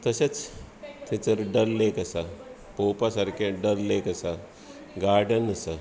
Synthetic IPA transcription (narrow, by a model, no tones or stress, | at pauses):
t̪əset͡s | t̪ʰet͡səɾɖəɾlekəsa | poːpasaɾkeɖəɾlekəsa | ɡaːɾɖənəsa